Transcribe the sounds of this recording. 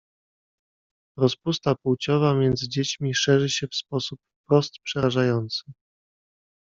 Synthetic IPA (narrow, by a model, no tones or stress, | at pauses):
ɾɔspust̪apuwt͡ɕɔvamʲjɛnd̪zɘd͡ʑet͡ɕmʲiʂɛʐɘɕɛfspɔsupfpɾɔst̪pʂɛɾaʐajɔnt̪sɘ